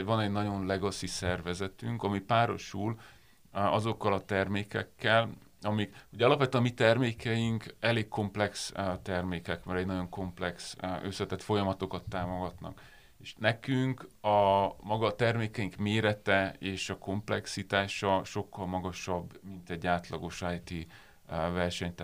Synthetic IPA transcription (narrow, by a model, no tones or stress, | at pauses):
vɒnɛɟnɒɟo̞nlɛɡɒsisɛrvɛzɛt̪yŋkɒmipaːɾo̞̰ʃul | ɒzo̞kːɒlɒt̪ɛrmeːkɛkːɛl | ɒmikho̞ɟɒlɒpʋɛt̪yːnːɒmit̪ɛrmeːkɛjiŋkɛleːkko̞mplɛkst̪ɛrmeːkɛkmɛɾɛɟnɒɟo̞ŋko̞mplɛksøsɛt̪ɛt̪fo̞jɒmɒt̪o̞kɒt̪ːaːmo̞ɡɒt̪nɒ̰k | eːʃnɛkyŋkɒmɒɡɒt̪ɛrmeːkɛjiŋkmeːɾɛt̪ɛeːʃɒko̞mplɛksit̪aːʃɒʃo̞kːɒlmɒɡɒʃɒbmint̪ɛɟːaːt̪lɒɡo̞ʃajt̪i | vɛrʃɛɲt̪ː